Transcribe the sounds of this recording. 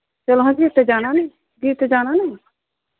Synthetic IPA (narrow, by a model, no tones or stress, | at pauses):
t͡ʃəloɦãd͡ʒiːt̪ɛd͡ʒaːnaːnɛ | d͡ʒiːt̪ed͡ʒaːnãːnɛ̃